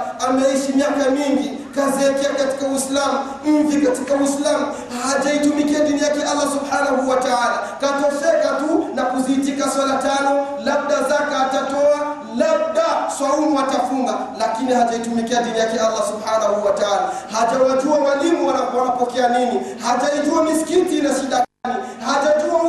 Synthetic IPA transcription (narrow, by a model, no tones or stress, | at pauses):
amɛiʃimiakamiŋɡi | kaziɛkɛakati̥kawislamu | m̩vikatikawislamu | hhaʄaitumikiaɗinijakɛʔalːasubħanahuwataalakatɔsɛkatunakuziːtikaswalatanɔlab̚ɗazakɛːtatɔa | lab̚ɗaswaumuatafuŋɡa | lakinihataitumikianɗinijakɛalːasubħanahuwataalahaʄawaʄuamwalimuwanapɔanapɔkɛaninihaʄaid͡ʒuamiskitinaʃiɗakani | haʄad͡ʒua